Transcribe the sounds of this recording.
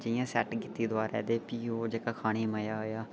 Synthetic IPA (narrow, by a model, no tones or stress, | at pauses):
d͡ʒəjãːsɛːʈɡiːt̪ːiːd̪ʊaːɾɛ̰ːd̪eːpiːoːd͡ʒeːkaːkʰaːɽ̃iːməjaːɦoːjaː